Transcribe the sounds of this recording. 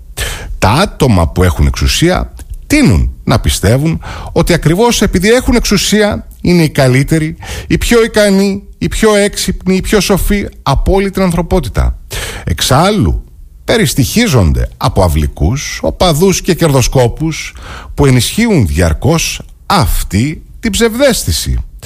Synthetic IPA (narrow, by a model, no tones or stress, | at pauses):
t̪ɐɐt̪o̞mɐ̰pue̞xune̞̰ksusiɐ̰t̪inṵnːɐpist̪e̞vuno̞t̪iɐkɾivo̞se̞piðie̞xune̞ksusiɐ | ine̞ikɐlit̪e̞ɾiipço̞ikɐniː | pço̞e̞ksipniːpço̞so̞fiɐpo̞lit̪inɐnθɾo̞po̞t̪i̥t̪ɐ̰e̞̰ksɐlṵ | pe̞ɾist̪içizo̞nd̪e̞̰ɐpo̞ɐvlḭkuso̞̰pɐðusce̞ce̞ɾðo̞sko̞puspue̞nisçiunðʝɐ̰ɾko̞s | ɐft̪it̪ibze̞vðe̞st̪isḭ